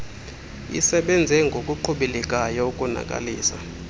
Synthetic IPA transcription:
ḭsɛɓɛnd͡zʱɛŋɡʱokʼuǃʰuɓilɛkʼajɔukʼuna̰kʼa̰liːsa̰

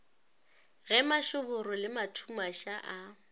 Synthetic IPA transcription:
ɣɛmaʃʊbʊɾʊlɪmatʰumaʃaʔa

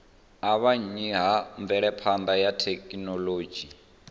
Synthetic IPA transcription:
aβaɲiɦaɱvɛɺɛpʰand̪ajatʰekʼinɔloːd͡ʒi

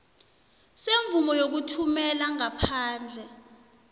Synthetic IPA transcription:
seɱvumɔjok̬utʰumɛlaŋapʰaːnd͡ɮʱɛ

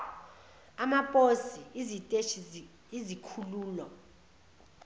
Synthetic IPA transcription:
amapʼosiizitʼeʃ | izikʰuluːlɔ

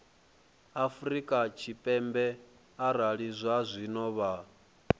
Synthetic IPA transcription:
afuɾikʼat͡ʃʰipʼɛmbɛ | aɾaɺizʷazʷinɔβa

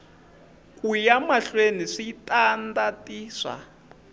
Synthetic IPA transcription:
kʼujamaɬweniʂitʼandatʼiːʂa̰

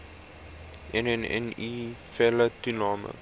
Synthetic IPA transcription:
ʔɛnɛnɛ̰nifɛlətunɑːmə̰

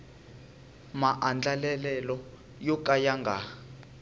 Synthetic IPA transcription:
maʔand͡ɮalɛlɛlɔ | jɔkʼajaŋɡʱa

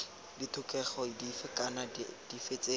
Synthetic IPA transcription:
ditʰʊkʼɛχɔdifɪkʼanad̥ifet͡sʼeː

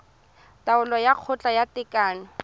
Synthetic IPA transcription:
tʼaʊlɔjaq͡χʰʊt͡ɬʼajatɪkʼaːnɔ

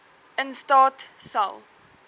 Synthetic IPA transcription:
ənstɑːtsa̰lˠ

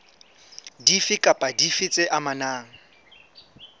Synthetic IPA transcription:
difɪkʼapʼadifɪt͡sʼɪʔamanaːŋ̩

